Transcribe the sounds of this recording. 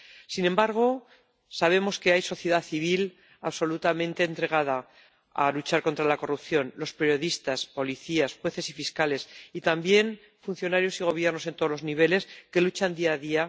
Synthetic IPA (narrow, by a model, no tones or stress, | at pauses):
sinẽ̞mbaɾɣ̞o̞ | saβ̞e̞mo̞ske̞ajso̞θje̞ðaθiβ̞il | aβso̞lut̪amẽ̞nt̪e̞ːnt̪ɾe̞ɣað̞a | a̰lut͡ʃaɾko̞nt̪ɾalako̞rupθjo̞nlo̞speɾjo̞ðist̪aspo̞liθiasxwe̞θe̞sifiskale̞sit̪ambje̞n | fun̟θjo̞naɾjo̞siɣ̞o̞β̞je̞ɾrnos̬e̞nt̪o̞lo̞zniβ̞e̞le̞ske̞lut͡ʃand̪iaðia